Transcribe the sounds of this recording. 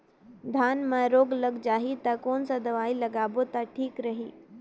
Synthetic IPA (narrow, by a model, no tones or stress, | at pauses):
d̪ʱaːnmãɾoːɡləɡd͡ʒaːɦit̪ɐkoːnsad̪ɐʋaːilɐɡaːbot̪aʈʰiːkɾɐɦiː